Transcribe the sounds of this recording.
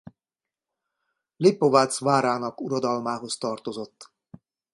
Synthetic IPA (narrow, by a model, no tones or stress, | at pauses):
lipːovaːt̪svaːɾaːnɒkuɾod̪ɒlmaːɦo̞st̪ɒrt̪o̞zo̞t̪ː